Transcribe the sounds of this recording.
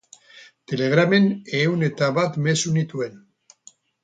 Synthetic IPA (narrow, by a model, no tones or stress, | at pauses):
t̪e̞leɣ̞ɾameneune̞t̪aβat̪me̞sunit̪ue̞n